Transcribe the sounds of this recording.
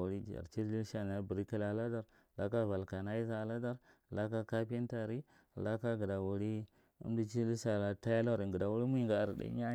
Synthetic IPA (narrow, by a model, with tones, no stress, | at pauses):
u˨ɾi˦d͡ʒa̰˨ɾt͡ʃi˦i˦ʃa˦˨n˨a˦bə˨ɾi˦ka˦la˨la˦da˦ɾ | la˦ka˦˨va˨lka˨na˦i˦za˦˨la˦da˦ɾla˦ka˦ka˦pi˦n˦ta˨ɾi˦˨ | la˦ka˦ɡə˨da˨wu˨ɾi˦ | ṵ˦m˦di˦t͡ʃi˦li˦sa˨la˨ta˦ja˦la˦˨ɾi˨ɡə˨da˨wu˦ɾi˦mu˦i˦˨ŋɡa˨ɾdḭ˦a˦